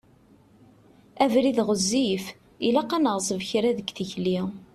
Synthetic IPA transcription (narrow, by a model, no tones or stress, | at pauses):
ævɾiðʁəzːif | ilæqːænəʁsˤəvçɾæðəɡθəçli